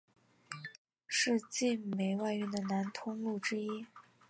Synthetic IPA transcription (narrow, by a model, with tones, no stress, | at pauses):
ʂɻ̩˥˧t͡ɕi˥˩nme˨˩ɪwa˥˩ɪɥɛ˧˥nd̪ə˨na˧˥nt̪ʰʊ˥ŋlu˥˩ʈ͡ʂɻ̩˥i˥